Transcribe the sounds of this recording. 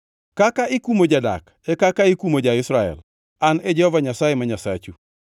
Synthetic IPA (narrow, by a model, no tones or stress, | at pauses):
kakaʔikumod͡ʒada̰k | ekakaikumod͡ʒaɪsɾaɛ̰l | aned͡ʒehɔvaɲasajemaɲasat͡ʃu